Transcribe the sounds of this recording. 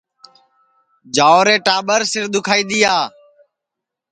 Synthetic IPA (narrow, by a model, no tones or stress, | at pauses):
d͡ʒaːoːɾẽːʈaːɓəɾsɪɾɗ̪ʊkʰaːiːɗ̪ijaː